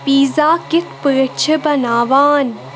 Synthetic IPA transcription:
piːzaːkɪt̪ʰpəət͡ʃʰəbɐnaːʋaːn

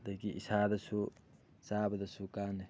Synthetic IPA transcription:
d̪ɐkiʔɪsaːd̪ɐsu | saːbɐd̪ɐsukaːn

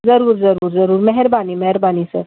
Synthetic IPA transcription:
zɐɾuːɾd͡zɐɾuːɾd͡zɐɾuːɾmɐɦɛɾbaniːmɐɦɛɾbaniːsə̰ɾ

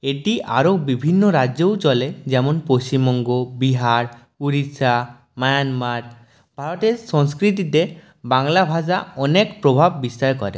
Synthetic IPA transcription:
eʈiʔaɾobibʱinːoɾad͡ʒewt͡ʃɔled͡ʒɛmonpost͡ɕimɔŋɡobiɦaɾ | uɾisa | majanmaɾ | bʱaɾot̪eɾsɔŋskɾit̪̬it̪e | baŋlabʱasaɔnekpɾobʱabːist̪aɾkɔɾḛ

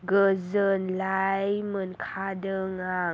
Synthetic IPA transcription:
ɡəzənlajmənkʰadəŋa

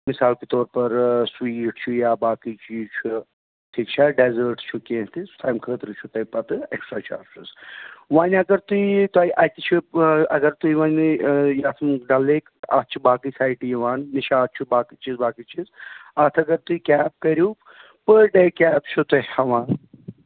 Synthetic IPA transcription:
misaːlkit̪ɔːɾpɐɾswiːʈt͡ʃʰujaːbaːkit͡ʃit͡ʃʰu | ʈʰiːkt͡ʃʰaɖezəːɾʈt͡ʃʰukẽːt̪ʰisu̥t̪ʰaːmkʰəːt̪ɾɨt͡ʃʰut̪ɐipɐt̪ɨeksʈɾaːt͡ʃʰa̰ːɾsɨsʋaːnɐɡɐɾt̪uit̪aːiʔɐːjt̪it͡ʃʰiɐɡɐɾt̪uiʋaːnjaːt̪ʰmɖɐlːeːka̰t̪̚t͡ʃʰubaːkɨsʰaːjʈijiʋaːnniʃaːt̪̚t͡ʃʰubaːkit͡ʃizbaːkit͡ʃʰizaːt̪ʰɐɡɐɾt̪uikʲaːp̚kɐɾju | pəɖeːkʲaːp̚t͡ʃʰut̪ɐhɐʋaːn

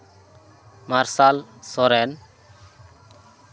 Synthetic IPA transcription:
maɾsalsɔɾɛn

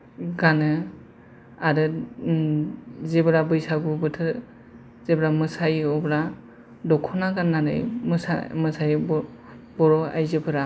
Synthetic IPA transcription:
ɡanɯ | aɾɯ | zebɯɾabɯjsaɡubɯtʰɯ | z̥ebɾamɯsajɔbɾa | dɔkʰɔnaɡanːanɯ̰jmɯsa̰mɯsaj | bɔɾɔa̰jzɯbʰɯɾa

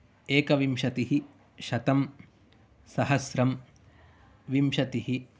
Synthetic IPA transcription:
eːkɐʋimʃɐt̪iɦi | ʃɐt̪ɐm | sɐɦɐsɾɐm | ʋimʃɐt̪iɦi

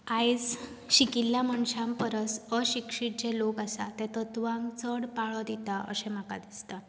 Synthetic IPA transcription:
ajd͡z | ɕikiljaməɳɕãmpəɾəsəɕikʂiːʈ̚d͡ʑelokasat̪ɛ̃t̪ət̪ʋãŋɡt͡səɽpaɭɔd̪it̪aʔə̰ɕɛ̃m̤aka̰d̪ist̪a

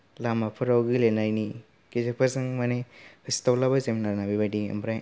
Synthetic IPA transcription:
lamapʰɯɾawɡilenajni | kizek̚pʰasɯŋmaneɾistawlabazeminaɾnabibadiɐ̰mbɾaj

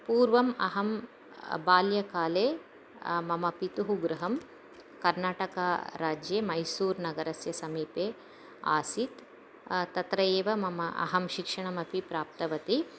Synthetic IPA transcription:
puːɾʋɐmɐ̰ɦɐm | baːljɐkaːleː | mɐmɐpit̪uɦuɡɾɐɦɐm | kɐɾnaːʈɐkaːɾaːd͡ʒjeːmɐjsuːɾnɐɡɐɾɐsjɐsɐmiːpeː | a̰ːsit̪ | t̪ɐt̪ɾɐjeːʋɐmɐmɐʔɐ̰ɦɐmʃikʂɐɳɐmɐpipɾaːp̚t̪ɐʋɐt̪i

